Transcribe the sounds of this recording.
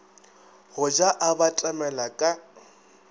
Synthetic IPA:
hʊd͡ʒaʔabatʼamɛlakʼa

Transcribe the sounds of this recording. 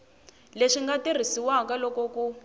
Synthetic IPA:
leʂiŋɡatir̤isiwakalɔkɔku

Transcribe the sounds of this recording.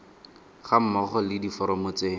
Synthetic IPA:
χam̩mɔχɔlɪdifɔɾɔmʊt͡se

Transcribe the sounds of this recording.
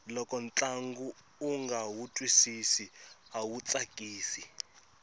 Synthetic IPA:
lɔkʼɔnt͡ɬʼaŋɡuː | ŋɡawutʼwisisiawut͡sʼakʼiːsi

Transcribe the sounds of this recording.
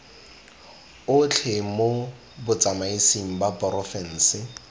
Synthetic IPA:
ʊt͡ɬʰemo | bʊt͡sʼamaisiŋ̩bapɔrɔfɛn̩ːsɪ

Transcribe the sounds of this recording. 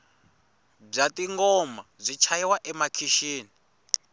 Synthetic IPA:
b͡ʐatiŋɡɔmazʷit͡ʃʰaiwaʔɛmakʰiʃiːni

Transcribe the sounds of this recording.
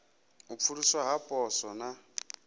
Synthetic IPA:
up̪fʰuɺuswaɦapʼɔsɔna

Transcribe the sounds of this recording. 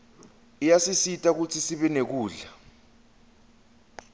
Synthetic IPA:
ijasisitʼak̬ut͡sʰisiɓɛnek̬uːɮa

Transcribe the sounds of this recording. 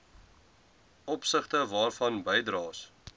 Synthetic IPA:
ʔɔpsəχtəvɑːrfɐnbəjdrɑːs

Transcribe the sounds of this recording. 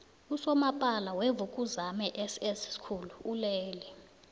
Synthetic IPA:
usɔmapʼalawevukʼuzamɛʔesɛsskʰuluulɛːli

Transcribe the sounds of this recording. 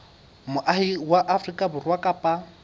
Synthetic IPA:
mʊʔahiwaʔafrikʼabʊrwakʼapʼa

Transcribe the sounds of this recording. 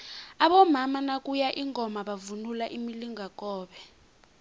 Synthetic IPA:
aɓɔmamanakʼujaʔiŋʱɔmaɓavunulaʔimiliŋak̬ʼɔːɓɛ

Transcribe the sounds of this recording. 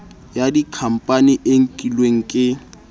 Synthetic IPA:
jadikʰam̩pʼaniʔeŋ̩kʼilweŋ̩kʼɪ

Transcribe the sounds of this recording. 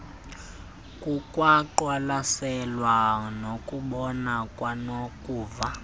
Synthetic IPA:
kʼukʼwaǃwalasɛlwanokʼuɓɔnakʼwanokʼuːva

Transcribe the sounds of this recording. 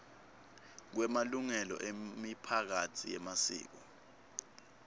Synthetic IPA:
k̬wɛmaluŋɛlɔ̰ʔemipʰak̬atʰijɛmasḭːk̬ɔ

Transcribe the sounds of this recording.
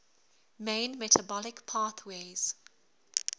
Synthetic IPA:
mẽɪnmɛtʰabɔlɪkpʰaːˑθweːz̥

